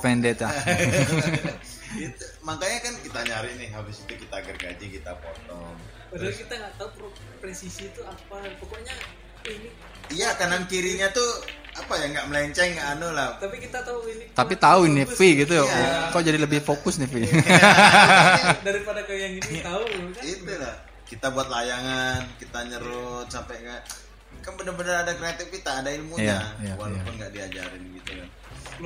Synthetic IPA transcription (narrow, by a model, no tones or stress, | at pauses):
pɛndɛt̪ja | it̪u | maŋkaɲakankit̪aɲaɾɪhnɪhɦabɪsit̪ukit̪aɡərɡa̰d͡ʒikit̪a̰pɔt̪ɔŋ | badaakit̪aŋɡaʔt̪aukɾ | pɾesisit̪uapapokoɲa | ini | ijakanankiɾiɲat̪uapajaŋɡaʔməlaiɲt͡ʃɛŋɡaʔːnolaht̪apikit̪at̪auinit̪apit̪auinɪfiɡit̪̬ujkaud͡ʒadiləbɪhfokʊsnɪfi | daɾipadakajaŋiit̪auit̪ulah | kit̪abuat̪̚lajaŋankit̪aɲəɾʊt̪̚sampɛŋa | kanbənərbənəɾadakɾeat̪ɪk̚kit̪aːdailmuɲajawalapʊnɡaʔdiad͡ʒa̰ɾɪnɡit̪ukan